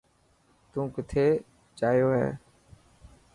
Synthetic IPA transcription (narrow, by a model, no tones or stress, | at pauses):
t̪ũːkɪt̪ʰeː | t͡ʃaːjoːɦɛ̰ː